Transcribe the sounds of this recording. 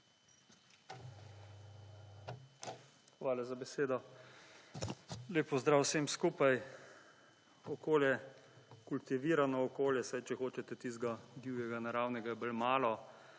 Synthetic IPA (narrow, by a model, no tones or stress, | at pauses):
xʋaːlazabɛseːd̪ɔ | leːpɔzd̪ɾaːwseːmskuːpaj | ɔkoːljɛkult̪iʋiːɾanɔːkoːljɛsajt͡ʃɛxoːt͡ʃɛt̪ɛt̪izɡad̪iwjɛɡanaɾaːwnɛɡajɛbəlmaːlɔ